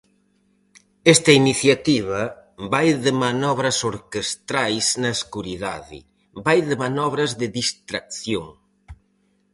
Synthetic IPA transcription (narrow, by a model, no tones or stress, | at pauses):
ɛst̪ɐiniθjat̪iβɐβajðɪmanɔβ̞ɾɐsoɾkest̪ɾajsnɐeskuɾiðaðḭ | bajðɪmanɔβɾɐzðɪðist̪ɾak̚θjoŋ